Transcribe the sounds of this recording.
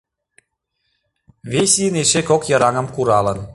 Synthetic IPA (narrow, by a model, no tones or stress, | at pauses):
βʲesʲineʃekokjɤ̆ɾɑŋə̆mkuɾɑlə̆n